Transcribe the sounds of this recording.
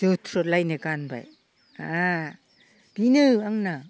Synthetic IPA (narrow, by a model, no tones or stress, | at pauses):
d͡ʒɯtʰɾolajnekanba̰j | a̰ | b̥inɯaŋna